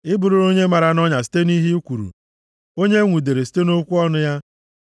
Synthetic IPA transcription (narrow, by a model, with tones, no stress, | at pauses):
ɪ˦bu˨ɾu˨ɾo˦ɲe˦ma˨ɾa˨nɔ˦ɲa˨si̥˦te˦ni˦ɦi˦u˦kʷu˨ɾṵ˨ | o˦ɲe˦ŋʷu˨de˨ɾe˨si̥˦te˦no˦kʷu˦ɔ˦nʊ˦ja˦